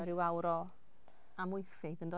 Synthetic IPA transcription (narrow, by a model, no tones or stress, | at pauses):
ɛɾɪwawɾɔ | amʊjθɪɡəndɔ